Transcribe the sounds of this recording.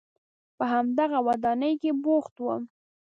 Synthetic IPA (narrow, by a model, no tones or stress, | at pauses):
pəɦamd̪aɣawad̪ɑnəjkeboxt̪wəm